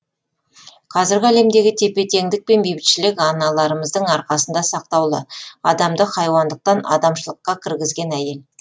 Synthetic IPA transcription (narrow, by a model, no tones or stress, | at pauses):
qʰɑzɪɾɡʲɪæle̞md̪e̞ɡʲɪt̪ʰe̞pe̞t̪ʰe̞ŋd̪ɪk̚pe̞nbebɪt̪ʃɪlɪkʲɑnɑlˠɑɾəməzd̪əɴɑɾqɑsənd̪ɑsɑq̚t̪ɑwlˠə̰ɑd̪ɑmd̪əχɑjwɑnd̪əq̚t̪ɑnɑ̰d̪ɑmʃəlˠəqːɑkʲʰɪɾɡʲɪzɡʲe̞næje̞l